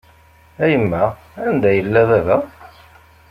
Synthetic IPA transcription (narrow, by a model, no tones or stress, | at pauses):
æjəmːæ | ænd̪æjəlːæðæðæ